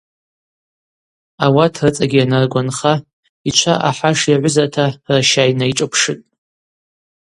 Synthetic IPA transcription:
awatʰrɨt͡sʼaɡʲianarɡʷanχa | it͡ʃʷʰaʔaħaʂjaʕʷʊzatʰaraʃajnajʈ͡ʂʼapʰʂɨtʼ

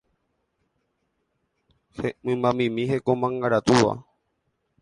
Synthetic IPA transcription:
hemɨ̃mbãmĩmĩɦekomãŋɡaɾat̪uʋa̰

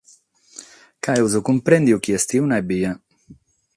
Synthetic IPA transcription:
kaewzukumpɾend̪iwkiest̪iunabia

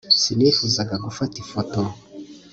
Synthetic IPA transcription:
sinifuzaɡaɡufatifoto

